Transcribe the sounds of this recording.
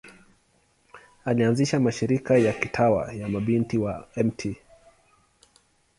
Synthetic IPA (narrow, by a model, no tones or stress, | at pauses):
alianziʃamaʃiɾikajakitʰawa̰jamaɓintiwaɛmtʰi